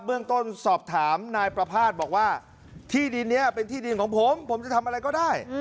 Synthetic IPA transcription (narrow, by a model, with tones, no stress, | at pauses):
ɯ˥˩əŋt̪o˥˩nsɔː˨˩p̚t̪ʰaː˩˦mnaː˧jpɾa˧pʰaː˥˩t̪̚bɔː˨˩k̚waː˥˩ | t̪ʰiː˥˩di˧nːi˦˥ɐpe˧nt̪ʰiː˥˩di˧nkʰɔː˩˦ŋpʰo˩˦mpʰo˩˦mt͡ɕa˨˩t̪ʰa˧mʔɾa˧jkɔː˥˩daː˥˩j